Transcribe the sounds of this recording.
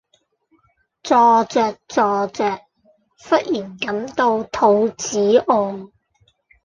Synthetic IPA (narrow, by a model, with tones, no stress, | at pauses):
t͡sɔː˨˧t͡sœː˨k̚t͡sɔː˨˧t͡sœː˨k̚ | fɐ˥t̚jiː˨˩nkɐ˨˥mt̪o˧wt̪ʰo˨˧wt͡siː˨˥ʔɔː˧ŋ